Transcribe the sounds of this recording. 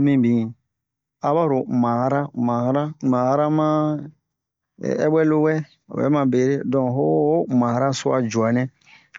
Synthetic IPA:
mĩ˦bĩ˨ | a˦ba˦ɾo˨mã˨˦ɾa˦mã˨˦ɾa˦mã˨˦ɾa˦mã˦˨ | ɛ̰˦ɓwɛ˦lo˦wɛ̰˦˨ | wɛ̰˦mã˨be˨˦ɾe˦dɔ̃˨ɦo˦mã˨˦ɾa˦so˦a˨d͡ʒu˨a˨nɛ̃˦

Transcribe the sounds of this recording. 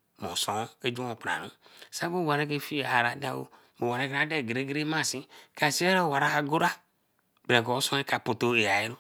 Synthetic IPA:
mɔ̃˨sɔ̃˨˦e˦d͡ʒu˦ɔ̃˨pɾa̰˨nũ˦sa˦bo˦˨a˨nẽ˦k̬e˦fi˦˨a˨ɾa˨da˦wo̰˦ | mo˨wa˨nɛ˦ka˨˦de˦˨ɡɾe˦ɡɾe˦mã˦˨sĩ˦ka˨si˦ɛ˦ɾɛ˦˨wa˨ɾa˦a˦ɡo˦ɾa˦ | bɛ̃˨kɔ˨o˦sɔ̃˦e˦ka˨po˨t̪o˦e˨ja˨e˦ɾo˦

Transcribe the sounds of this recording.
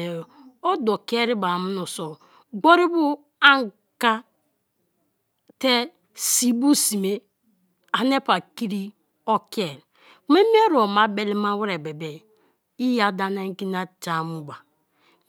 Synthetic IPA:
o˦do˨ke˦ɾi˦ba˨mu˦nu˨so˨ | ɡ͡bo˦ɾi˦bu˦ | a˦ŋ | ka˦ | te˦ | si˨bu˦si˨me˦ | a˨ne˦pa˨ki˦ɾi˦ | o˦ke˨l | kme˦mi˦e˦ɾo˨ma˨be˨li˦ma˦wi˦ɾe˨be˨be˨ | i˦ja˨da˨na˦ŋ˦ki˦na˦ta˨mu˦ba˨

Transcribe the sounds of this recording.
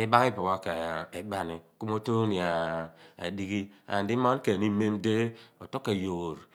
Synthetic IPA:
i˦ba˦ŋ˦i˦po˨ba˦ke˨e˨ba˦ni˨ku˦mo˦to˦ni˨a˨ḛ˨di˦ɡi˦a̰˨n˨di˦ma˦n˦ke˨ni˦me˦mde˦o˨to˦kːe˨jo˨ɾ

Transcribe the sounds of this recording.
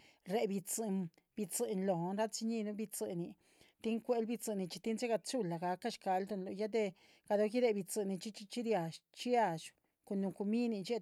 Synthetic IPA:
ɾe˧bi˧t͡sɨ˧n | bi˧t͡sɨ˨nlo˨nɾa˦t͡si˧ɲi˦˧nu˦bi˧t͡sɨ˧˨ni˧ | t̪i˦ŋkʷe˦lbi˧t͡sɨ˧˨ni˧t͡ʃi˧t̪i˦nze˦ɡa˧t͡ʃu˦la˨ɡa˧ka˦ʃka˧ld̪u˧nlo˨ja˦d̪e˧ | ɡa˧d̪o˧ki˦ɾe˧bi˧t͡sɨ˧ni˧t͡ʃi˦t͡ʃi˦t͡ʃi˦d̪ja˨ʃt͡ʃi˦a˧ʃ | ku˧nu˧ku˧mi˦ni˧t͡ʃe˦

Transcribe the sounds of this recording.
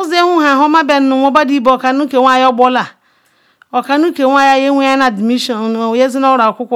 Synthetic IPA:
ɔ˦ze˦hũ˦ɦã˨ɦɔ˦ma˦bɛ˨n˦nʊ̃˨wɔ˦ba˦di˦bo˨ɔ˨ka˨nu˦ke˨wʷa˦˨jɔ˦bɔ˦la˨ | ɔ˨ka˨nũ˦ke˨wʷa˦˨ja˦je˦wʷu˦a˦n˦a˨di˨mi˦ʃɔ˨je˦zɪ˦na˦ɾa˨kʊ˦kʷʊ˦

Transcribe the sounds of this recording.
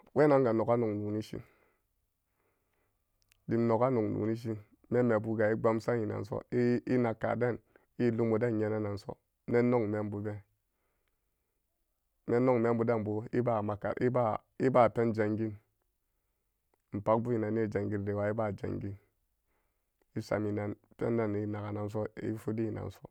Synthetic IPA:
we˦na˦ŋɡa˨no˨ka˦no˨ŋnu˨ni˦ʃḭ˦n | di˨m˦no˨ka˦no˨ŋnṵ˨ni˦ʃ̬i˦n | me˦me˨bu˦ɡa˨i˦ɡ͡ba˦msa˦ji˨na̰˨n˨so̰˦i˦i˦na˨kːa̰˨da˦˨n | i˦lu˦mo˨da˦˨n˨ɲe˨na˦na˨n˨so̰˦ | me˦nːo˦ŋ˨me˦m˦bu˨be˦ | me˦nːo˦ŋ˨me˦mbu˦da˦m˨bu˨˦i˦ba˦˨ma˨ka̰˨ʔi˦ba˦˨ | i˦ba˦˨pe˦nd͡ʒa˨ŋɡi˦n˨ | m̩˨pa˦k̚bu˦ji˨na˨n˦i˦˨d͡ʒa˨ŋɡi˦ɾde˨wa˨i˦ba˦˨d͡ʒa̰˨ŋɡi˦n | i˦sa̰˨mi˨na˨npḛ˦n˦da˦ni˦na˨ka˨na˨ns̬o˦ḭ˦fu˦di˦i˨na̰˨n˨so˦

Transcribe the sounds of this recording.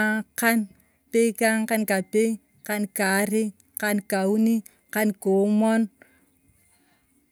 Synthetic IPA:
ka˦n | pe˦ka˦ŋka˦nka˨pe˦ | ka˦nka˨˦ɾi˦ | ka˦nka˨u˦ni˦ | ka˦nko˨mɔ˦n

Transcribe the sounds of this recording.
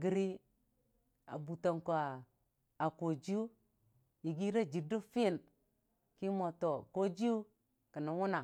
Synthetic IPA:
ɡi˨ɾi˦ | a̰˨bu˨to˨ŋko˨a˨ | a˨ko˨d͡ʒi˦u˦ | ji˨ɡi˦ɾa˦d͡ʒi˨do˦fi˦˨n | ki˦mo˨to˨ko˦d͡ʒi˦u˦ | ki˨na˨wu˦na˨

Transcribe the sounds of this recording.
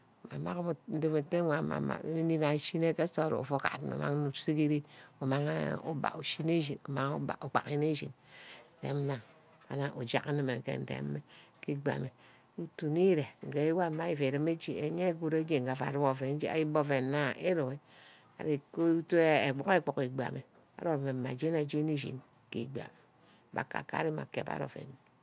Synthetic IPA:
ma̰˨ma̰˦km˨n̩˦do˦me˨te˦ŋʷa˨ma̰˨ma̰˨˦i˦ni˦na˨ʃi˦ne˦ke˦so˦˨ɾo̰˨o̰˨fo˦ka̰˨tno̰˨ma̰˦ŋ˦nu˨˦si˦ki˦ɾi˦o˨ma˦ŋ̰˦o̰˦ba̰˨ku˨ʃi˦ne˦ʃ̬i˨no˨ma˦ŋo̰˦ba̰˨o˨k͡pa̰˨ki˦ne˦ʃḭ˨n˨tḛ˨˦m̩˦na˨ | ka̰˨na˨ʔo˨d͡ʒa̰˦ka˦nɨ˦˨me˨ŋ˨kḛ˨n̩˨tḛ˨˦me˦ki˦ɡ͡ba̰˨me˨ | u˨tu˨ni˦ɾe˨ŋ̩˨ɡe˨i˦wa˦ma˦i˨fe˨ɾi˦me˦d͡ʒi˨ḛ˨ɲe˦ɡu˦ɾe˦d͡ʒe˦˨ŋ̩˨ɡa˨fa̰˨ɾu˦bo˨fe˨n˦d͡ʒi˦a̰˦ji˦bo˦fe˨na˦e˦ɾo˨e˦ | a̰˨ɾi˨ko˦u˦to˦e˦e˨ɡ͡bo˨ke˦k͡po˨ki˨ɡ͡ba̰˨me˨ | a̰˨˦ɾo˦˨me˨ma˨d͡ʒe˦na˨˦d͡ʒi˦ni˦ʃḭ˨n | kḭ˨ɡ͡ba̰˨m˨ | ba̰˨ka̰˨ka̰˦ɾi˦ma̰˨kḛ˨pa̰˦ɾo̰˨fḛ˨n˨

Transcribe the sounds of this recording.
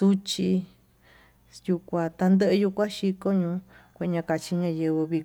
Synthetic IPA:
su˦t͡ʃi˧ | ju˧kʷã˧t̪a˧nd̪ə˦ʔju˧kʷã˦ʃi˧ko˦ɲũː˧˦kʷe˧˨˧ɲã˧ka˧t͡ʃi˧ɲã˧jɨ˧βɨ˧βi˧

